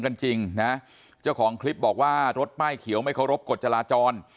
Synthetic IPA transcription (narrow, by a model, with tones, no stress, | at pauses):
ŋka˧nt͡ɕi˧ŋna˦˥ | t͡ɕaː˥˩wkʰɔː˩˦ŋkʰli˦˥p̚bɔː˨˩k̚waː˥˩ɾo˦˥t̪̚maː˥˩jkʰi˨˩˦wma˥˩jkʰa˥˦˩wɾo˦˥p̚ko˨˩t̪̚t͡ɕa˧laː˧t͡ɕɔː˧n